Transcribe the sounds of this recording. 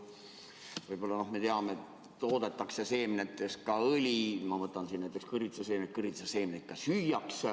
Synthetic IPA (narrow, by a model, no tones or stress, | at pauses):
vɤjb̥o̞lːɑno̞hme̞t̪eɑmet̪ | t̪o̞ːd̪et̪ːˑɑksese̞ːmnett̪ːˑeskɑɤlʲimɑmɤt̪ːˑɑnsinæjt̪ekskɯrit̪seseːmnekɯrit̪sese̞ːmnek̪kːɑsyjɑks